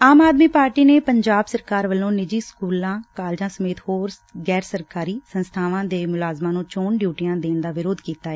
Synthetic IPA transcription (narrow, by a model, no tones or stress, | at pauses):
aːmaːd̪miːpaːɾʈiːneːpəɲd͡ʒaːbsəɾkaːɾʋəlːõːnɪd͡ʒiːskuːlãːkaːld͡ʒãːsəmeːt̪hoːɾ | ɡɛːɾsəɾkaːɾiːsənst̪ʰaːʋãːd̪eːmʊlaːzmãːnũːt͡ʃoːɳɖjuːʈijãːd̪eːnd̪aːʋɪɾoːd̪kiːt̪aːɛː